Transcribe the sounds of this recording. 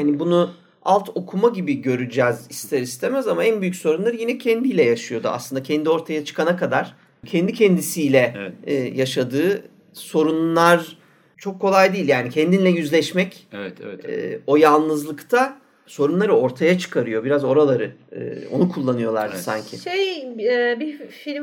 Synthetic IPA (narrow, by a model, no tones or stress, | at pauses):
hanibunu | alˠt̪ʰo̞kʰumaɟibiɟø̞ɾyd͡ʒɛzist̪ʰɛɾist̪ʰemæzamaænbyjycʲso̞ɾunlˠaɾɯjinɛcʰɛnd̪ijlʲɛjaʃɯjo̞d̪ua̰slˠɯnd̪acʰɛnd̪io̞ɾt̪ʰajat͡ʃʰɯ̥kanakad̪aɾ̥ | cʰɛnd̪icʰɛnd̪isiːlʲɛɛːjaʃad̪ɯː | so̞ɾunlˠaɾ | t͡ʃʰo̞kʰːo̞lˠajd̪iːlʲjaːnicʰɛnd̪inlʲɛjyzlʲɛʃmɛcɛɛ̰o̞jalˠnɯzlˠɯkt̪ʰa | so̞ɾunlˠaɾɯo̞ɾt̪ʰajat͡ʃʰɯ̥kʰaɾɯjo̞biɾazo̞ɾalˠaɾɯɯ̰o̞̰nukʰulˠːanɯjo̞lˠa̰ɾd̪ɯsa̰ɲcʰɪ̰ʃejɛbifilʲ